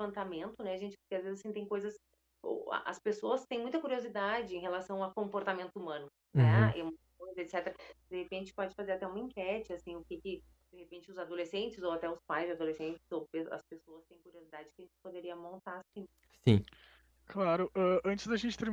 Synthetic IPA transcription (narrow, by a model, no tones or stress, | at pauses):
vɐ̃nt̪amẽnt̪ʊnɛaʒẽnt͡ʃɪ̥pʊɾkɪazvezɪzasĩt̪ẽj̃kojzɐs | o̰ɐ̰ʔɐ̰spesoɐst̪ẽj̃mũj̃t̪ɐkuɾiozid̪ad͡ʒɪẽɦelasɐ̃w̃ɐkõmpoɾt̪amẽnt̪ʊumɐ̃nʊ | nɛɛ̰mũɐkojzɐet̪sɛt̪eɾɐd̪ehepẽnt͡ʃɪ̥pɔd͡ʒɪfazeɾat̪ɛũmɐĩŋkɛt͡ʃɪasĩʊkɪkɪd̪̥ehepẽnt͡ʃɪʊzad̪olesẽnt͡ʃɪzowat̪ɛʊspajzd͡ʒɪad̪olesẽnt͡ʃɪ̥z̥owpeɐ̰spesoɐst̪ẽj̃kuɾiozid̪ad͡ʒɪkɪɐʒẽt͡ʃɪpod̪eɾiɐmõnt̪aɾasĩ | sḭ̃ | klaɾʊʔɛɐ̃nt͡ʃɪzd̪ɐʒẽnt͡ʃɪ̥t̪eɾm